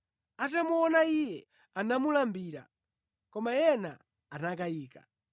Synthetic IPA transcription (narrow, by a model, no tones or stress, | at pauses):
atamuɔnaijɛ | anamulambiːɾa̰ | kɔmajɛna̰ː | nakajiːka̰